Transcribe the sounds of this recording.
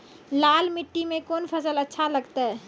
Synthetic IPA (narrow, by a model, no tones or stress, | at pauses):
laːlmɪʈːimẽkoːnpʰəsələtːʃʰaləɡt̪aɦɛ